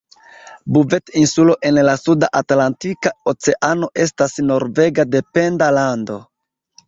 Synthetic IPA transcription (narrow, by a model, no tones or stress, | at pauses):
buve̞tinsulo̞ʔe̞nlasudaʔatlantikaot͡se̞ʔano̞ʔe̞stasno̞ɾve̞ɡade̞pe̞ndalando̞